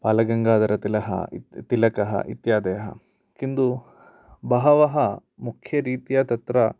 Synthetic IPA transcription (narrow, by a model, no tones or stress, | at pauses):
paːlɐɡɐŋɡaːd̪ɐɾɐt̪ilɐɦɐ̰t̪ilɐkɐɦɐ̰ʔḭt̪jaːd̪ɐjɐɦɐ̰ | kind̪u | bɐɦɐʋɐɦɐmukʰjɐɾiːt̪ijaːt̪ɐt̪ɾɐ